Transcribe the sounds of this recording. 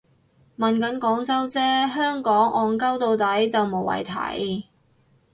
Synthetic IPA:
mɐ˨nkɐ˨˥nkɔː˨˥ŋt͡sɐ˥wt͡sɛː˥ɦœː˥ŋkɔː˨˥ŋɔː˨˧ŋkɐ˥wt̪o˧wt̪ɐ˨˥jt͡sɐ˨wmo˨˩wɐ̰˨˩jt̪ʰɐ̰˨˥j

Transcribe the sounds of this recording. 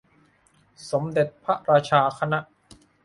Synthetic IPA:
so˩˦md̪e˨˩t̪̚pʰa˦˥ʔɾaː˧t͡ɕʰaː˧kʰa˧na˦˥ʔ

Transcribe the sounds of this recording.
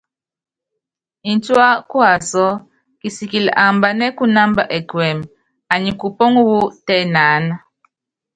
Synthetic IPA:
i˨n˦twa˦kwa˨sɔ˦ | ki˨si˨ki˨l̰ʔa˨mba˨nɛ˦ku˦na˦mba̰˨ʔɛ˨kwɛ˨m | a˨ɲi˨ku˨pɔ˦ŋ˦wu˦tɛ˦naː˨˦na˦

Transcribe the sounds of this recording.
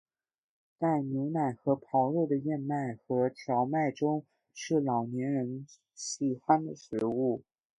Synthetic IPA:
t̪a˥˩ɪmi˧˥ŋma˨˩ɪxɤ˧˥pʰɑ˧˥ʊɻo˥˩d̪ə˩jɛ˥˧nma˥˩ɪxɤ˧˥t̪ʰjɑ˧˥ʊma˥˩ɪʈ͡ʂʊ˥ŋ | ʂɻ̩˥˩lɑ˨˩ʊnjɛ˧˥nɻə˧˥n | ɕi˨˩xwa˥nd̪ə˨ʂɻ̩˧˥u˥˩

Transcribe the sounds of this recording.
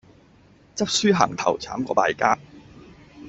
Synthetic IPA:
t͡sɐ˥p̚syː˥ɦɐ̰ː˨˩ŋt̪ʰɐ̰˨˩wt͡sʰaː˨˥mkɔ̰ː˧paː˧jkaː˥

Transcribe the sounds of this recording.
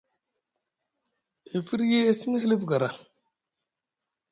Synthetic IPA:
i˨fi˦ɾje˦e˦si˦mi˦hi˦li˦fɡa˨ɾa˨

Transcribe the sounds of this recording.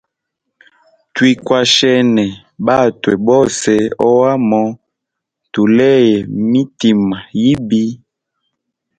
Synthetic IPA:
twi˦kwa˨ʃɛ˦nɛ˨ | ba˦˨twɛ˨bɔ˦sɛ˦ɔ˦wa˦mɔ˦ | tu˨lɛ˦jɛ˨mi˦ti˨ma˨ji˦bi˦

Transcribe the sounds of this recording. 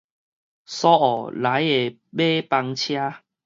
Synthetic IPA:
sɔ˦ɔ˨˩la˨˦je˨˩ | be˦pa˧ŋt͡ɕʰja˦

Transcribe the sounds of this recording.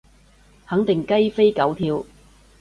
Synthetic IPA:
hɐ˨˥ŋt̪ɪ˨˩ŋkɐ˥jfe˥jkɐ˨˥wt̪ʰiː˧w

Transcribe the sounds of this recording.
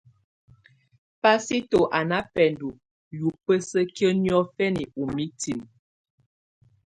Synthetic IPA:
pa˦si˦to˨ʔa˨na˦pɛ˨ndu˨ | ju˨pə˦sə˦kjə˦njɔ˦fɛ˦ni˨u˨mi˦ti˨m

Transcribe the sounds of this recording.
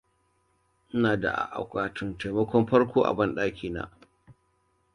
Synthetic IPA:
ʔnaː˨da̰˨ʔa̰˨ʔa̰˨kʷaː˨tʊ˦nta˨jmɐ˦kʷɔ˦mɸɐ˦rkʷʰoː˦ʔa̰˨bɐ˦nɗaː˦kʲiː˨na̰ː˦˨

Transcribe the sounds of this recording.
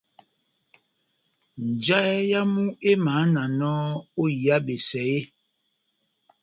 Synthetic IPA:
n̩˨d͡ʒa˦e˦ja˦mu˦e˦maː˨˦na˨nɔː˦o˦ja˦be˨sɛ˨e˦

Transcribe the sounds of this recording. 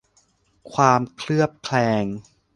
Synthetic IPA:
kʰwaː˧mkʰlɯ˥˩əp̚kʰlɛː˧ŋ

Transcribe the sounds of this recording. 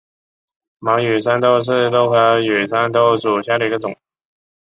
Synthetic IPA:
mɑ˧˥ŋjy˨˩sa˥nt̪o˥˧ʊʂ̬ɻ̩˥˩t̪o˥ʊxɤ˧˥jy˨˩sa˥nt̪o˥ʊʂu˨˩ɕja˥˩də˨˩i˧˥ɡə˧t͡sʊ˨˩˦ŋ

